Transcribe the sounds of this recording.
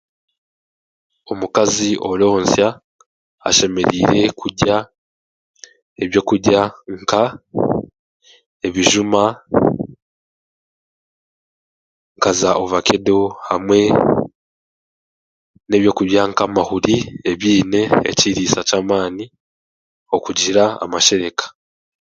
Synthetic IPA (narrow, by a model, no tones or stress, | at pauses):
omukaziʔo̞lo̞ːnsja̰ː | ʃe̞me̞ɾiːɾe̞kʰuɟa | eβjo̞ːkuɟaŋka | e̞βiʒuma | ŋkazaʔoβakedo̞hamwe̞ | ne̞ːβjo̞kuβjaŋkamahuɾieβiːne̞̰ːciɾiːsacaːmaːni | o̞kuɟiɾaa̰maʃe̞ɾe̞kḁ